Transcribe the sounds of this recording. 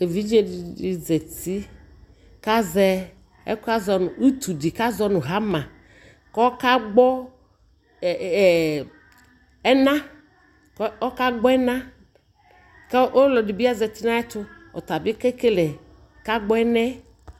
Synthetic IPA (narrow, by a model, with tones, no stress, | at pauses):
e˨vi˨˦d͡ʒe˦ddi˨zɛ˨t̪i˦ | ka˦zɛ˦ | ɛ̰˦ka˦zɔ˨˦nʊ˨u˦t̪u˨di˨ka˦zɔ˦nʊ̃˨ɦa˨˦mã˨ | kɔ˦ɔ˦ka˦ɡ͡bɔ˦˨ | ɛ˦nã˦ | kɔ˦ka˦ɡ͡bɔ˦ɛ˦nã˦ | kɛ˦ʔo˦lɔ˨di˨bi˦a˦zɛ˨t̪i˦nã˦ɛ˦t̪ʊ˦ɔ˨t̪a˨bɪ˦ke˦ke˦lɛ˨ | ka˦ɡ͡bɔ˦ɛ˦nɛ˦